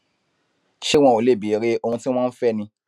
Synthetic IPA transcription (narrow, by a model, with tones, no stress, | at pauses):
ʃe˦w̃ɔ̃˧˨o˨le˦˨bi˨ɾe˦o˧ũ˧ti˦w̃ãː˦fɛ˦˨nĩ˧